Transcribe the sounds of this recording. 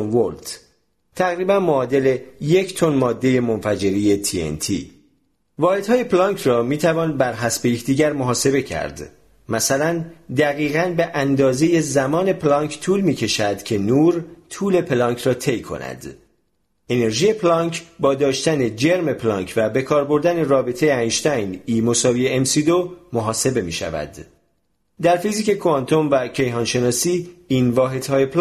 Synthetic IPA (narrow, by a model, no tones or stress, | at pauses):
nvolt̪ | t̪ʰæɣɾiːbænmoːd̪e̞le̞je̞cʰt̪ʰo̞nmɒːd̪ːe̞je̞mo̞nfæd͡ʒe̞ɾiːje̞t̪ʰiḛnt̪ʰḭː | vɒːhed̪hɒːje̞plɒːŋkʰrɒːmiːt̪ʰævɒːnbæɾɦæsbejecʰd̪iːɟæɾmo̞ɦɒːse̞be̞cʰæ̰ɾd̪ | mæsælænd̪æɣiːɣænbe̞ʔænd̪ɒːze̞je̞zæmɒːne̞pʰlɒŋkʰt̪ʰuːlmiːcʰe̞ʃæd̪cʰe̞nuːɾt̪ʰuːle̞pʰlɒːŋkʰrɒːt̪ʰe̞jkʰo̞̰næ̰d̪̥ | e̞ne̞ɾʒiːje̞pʰlɒŋkbɒːd̪ɒːʃt̪æne̞d͡ʒe̞ɾme̞pʰlɒːŋcʰvæbe̞kʰɒːɾbo̞ɾd̪æne̞rɒːbet̪ʰe̞jeænʃt̪æjniːmo̞sɒːviːeemsid̪o̞moɦɒːse̞be̞mḭːʃæ̰væ̰d̪ | d̪æɾfiziːke̞kʰoɑnt̪ʰo̞nvæcʰe̞jɦɒːnʃe̞nɒːsiːiːnvɒːɦe̞d̪̥hɒːje̞p